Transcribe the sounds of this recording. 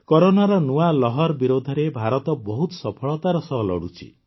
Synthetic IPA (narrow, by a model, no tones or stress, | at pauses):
kɔɾonaɾɔnualɔɦɔɾbiɾod̪ʱɔɾebʱaɾɔt̪ɔbɔɦut̪ɔ̥sɔpʰɔɭɔt̪aɾɔsɔɦlɔ̰ɽut͡ʃʰḭ